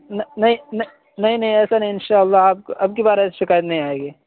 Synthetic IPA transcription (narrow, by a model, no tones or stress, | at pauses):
nɐnɐɦĩnɐ | nɐɦĩnɐɦĩɛːsanɐɦĩɪnʃaːəlːaaːp̚kʔɐb̚kebaːɾeɛːseʃɪkaːjət̪nɐɦĩaːeːɡeː